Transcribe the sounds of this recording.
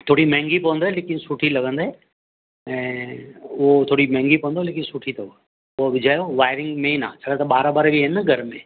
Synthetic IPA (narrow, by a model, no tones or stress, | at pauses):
t̪ʰoːɽimɛ̃ːŋɡipɐʋənd̪oɦeleːkɪnsuʈʰilɐɡə̃nd̪oɦe | ɛ̃ː | ʊɦot̪ʰoːɽimɛ̃ːŋɡipɐʋə̃nd̪oɦeleːkɪnsuʈʰit̪ɐua | ʊoʋɪd͡ʑʱaːjoʋaːɪɾɪ̃ŋɡmẽinã̰ːt͡ɕʰɐɽat̪ɐɓaːɾabaɾbiɦɪnəɡʱɐɾmẽː